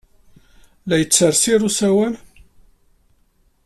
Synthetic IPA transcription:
læjət͡sːəɾˤsiɾusæwæn

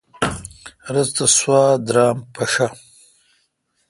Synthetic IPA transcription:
ɾɐzt̪ɐswɑːd̪ɾɑːmpʰɐʂa

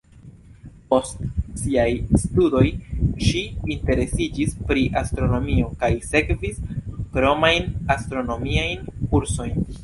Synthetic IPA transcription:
po̞stsiajstudo̞jʃiːnte̞ɾe̞sid͡ʒispɾiʔastɾo̞no̞mio̞kajse̞kviskɾo̞majnastɾo̞no̞miajnkuɾso̞jn

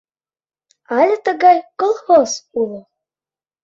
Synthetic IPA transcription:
ɑlʲĕt̪əɣɑjkolˠxosulo

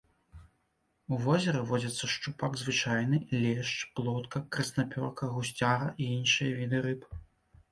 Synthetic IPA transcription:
uvɔzʲɛɾɨvɔd͡zʲɐt̪sːɐʂt͡ʂupaɡzvɨt͡ʂajnɨlʲɛʂt͡ʂplˠɔt̪kɐkɾɐsnapʲɔrkɐɣusʲt͡sʲaɾɐʔiinʂɨjɐvʲid̪ɨɾɨp

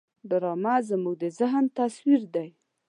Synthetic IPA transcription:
d̪ʊɾɑmazəmuɡ̚d̪əzaɦnt̪aswiɾd̪aj

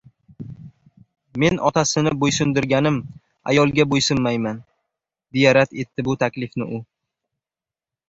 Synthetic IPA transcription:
me̞nʔɒt̪ʰasɪnɪbojsʊnd̪ɪɾɡʲanɪm | a̰jɒlˠɡʲabojsɪmːajman | d̪ejaɾat̪e̞t̪ːɪbʊt̪ʰakʲlɪfnɪʔʊ

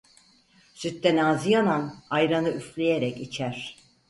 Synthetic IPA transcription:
syt̪ːænaːzijananajɾanɯyflʲejeɾɛcit͡ʃʰæɾ̥

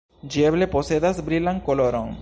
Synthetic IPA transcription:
d͡ʒieβleposeðazbɾilaŋkoloɾoŋ

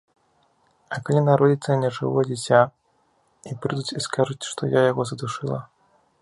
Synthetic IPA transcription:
ɐkalʲinaɾɔd͡zʲit̪sɐnʲɛʐɨ̰vɔd͡zʲit͡sʲa | ipɾɨd̪ut͡sʲiskaʐut͡sʲʂt̪ɔjajaɣɔzɐd̪uʂɨlˠɐ̰

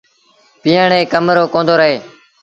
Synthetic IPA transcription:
piːəɳẽːkəmɾoːkõːnd̪oːɾəɦeː

